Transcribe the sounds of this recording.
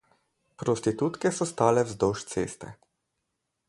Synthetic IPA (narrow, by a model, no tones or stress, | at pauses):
pɾost̪it̪ut̪kɛsɔst̪aːlɛwzd̪oʃt̪sḛːst̪ɛ̰